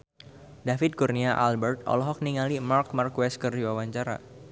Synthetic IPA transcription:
dafɪt̪̚kurniaʔalbɛrt̪̚ɔ̰lɔɦɔk̚niŋalimark̚markwɛskərdiwawaɲt͡ʃaɾa̰

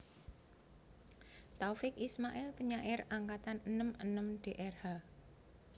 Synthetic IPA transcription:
t̪aufɪkismaʔɪlpəɲaʔɪraŋkat̪anənəmənəmɖ̪̥e̤ʔɛrha

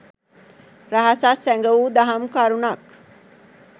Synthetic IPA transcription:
ɾaɦasasɛŋɡɐuːd̪ɐɦɐmkaɾunɐk

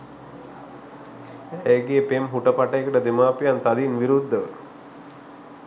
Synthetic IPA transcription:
ejɡejepemɦuʈəpaʈəjekəʈəd̪emaːpjant̪ad̪inʋiɾud̪ʱːəʋə̰

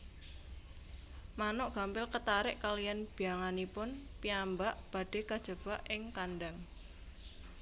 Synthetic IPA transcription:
manʊʔɡ̥a̤mpɪlkət̪aɾɪʔkalijanb̥iaŋanipʊnpiambaʔb̥a̤ɖ̥e̤kad̥ʒ̥ə̤b̥aʔɪŋkanɖaŋ

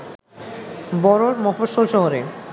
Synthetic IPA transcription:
bɔɾoɾmɔfoʃolʃɔɦoɾe

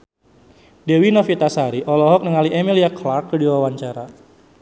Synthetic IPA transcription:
dewinɔfit̪asaɾiʔɔlɔɦɔk̚nəŋaliʔemiliaklarkːərdiwawaɲt͡ʃaɾa

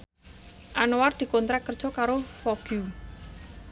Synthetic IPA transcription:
ʔanoward̪̥i̤kɔnt̪ɾakərd̥ʒ̥ɔ̤kaɾofɔɡ̥ju

